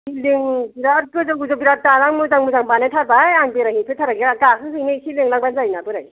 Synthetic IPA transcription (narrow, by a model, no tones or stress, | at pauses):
siliŋbiɾat̚kɯzɯŋuzobiɾap̚talaŋmɯzaŋmuzaŋbanatʰaɾbajaŋbeɾaŋipʰɯtʰaɾaɡeakakʰɯɦɯjnesiliŋlaŋbanzajnabɯɾaj